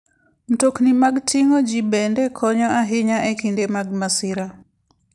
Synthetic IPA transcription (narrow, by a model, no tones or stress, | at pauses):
m̩toknimaɡtʰɪŋod͡ʒibɛndɛkʰɔɲɔaɦɪɲaʔɛkindemaɡ̚masɪɾa